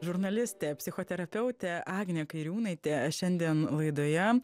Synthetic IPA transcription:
ʒʊɾnɐlʲɪsʲt̪ʲeːpʲsʲɪxoːt̪ʲɛɾɐpʲɛʊt̪ʲeːɑːɡnʲeːkɐɪɾʲuːnɐɪt̪ʲeʃʲɛnʲd̪ʲiɛnlˠɐɪd̪oːjɛ

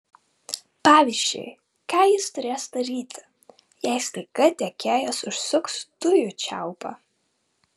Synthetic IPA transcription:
pɑːʋʲiːzʲd͡ʒʲɛ̰ɪ | kɑːjɪst̪ʊɾʲeːsd̪ɐɾʲiːt̪ʲɪ̥ | jɛɪst̪ɐɪkɐt̪ʲɛkʲeːjosʊʃsʊkst̪ʊjʊt͡ʃʲæ̰ˑʊpɑ̰ː

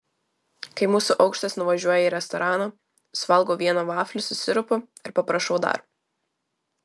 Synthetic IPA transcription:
kɐɪmuːsʊʔɐʊkʃʲt̪ɐsnʊʋɐʒʲuɔjɛiɾʲɛst̪ɔɾɑːnoː | sʋɐlˠɡoːʋʲiɛnoːʋɑːfʲlʲʊsʊsʲɪɾʊpʲʊ | ɪɾpɐpɾɐʃɔʊd̪ɐ̰ɾ

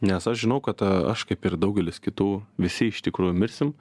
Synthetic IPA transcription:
nʲɛsɐʃʒʲɪnɐʊkɐt̪ɐ̰ʃkɐɪpɪrd̪ɐʊɡʲɛlʲɪskʲɪt̪uːʋʲɪsʲɪɪʃt̪ʲɪkɾuːjʊmʲɪɾʲsʲɪm

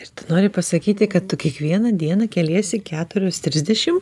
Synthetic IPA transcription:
ɪɾt̪ʊnoːɾʲɪpɐsɐkʲiːt̪ʲɪkɐt̪t̪ʊkʲiɛkʋʲiɛnɐd̪ʲiɛnɐkʲɛlʲiɛsʲɪkʲæːt̪ʊɾʲoːst̪ʲɾʲɪzʲd̪ʲɛʃʲɪm

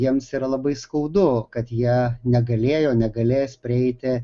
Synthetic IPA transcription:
jiɛmsiːɾɐlˠɐbɐɪskɐʊd̪ʊkɐt̪jiɛnʲɛɡɐlʲeːjoːnʲɛɡɐlʲeːjsʲpʲɾʲɪɛɪt̪ʲɪ

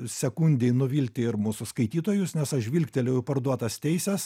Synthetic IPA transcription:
sʲɛkunʲd̪ʲeɪnʊʋʲiːlʲt̪ʲɪɪɾmuːsʊskɐɪt̪ʲiːt̪oːjʊsnʲɛsɐʃʋʲiːlʲkʲt̪ʲɛlʲɛjʊpɐrd̪uɔt̪ɐst̪ʲɛɪsʲɛs

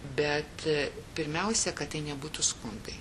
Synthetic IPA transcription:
bʲɛt̪pʲɪɾʲmʲɛʊsʲɛkɐtt̪ːɐɪnʲɛbuːt̪uskʊnd̪ɐɪ

